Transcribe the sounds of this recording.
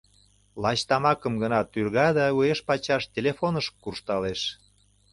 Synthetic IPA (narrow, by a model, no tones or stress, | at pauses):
lɑt͡ɕt̪ɑmɑkəmɡənɑt̪ːyrɣɑd̪ɑueʃpɑt͡ɕɑʃt̪ʲelefonəʃkːurʃt̪ɑleʃ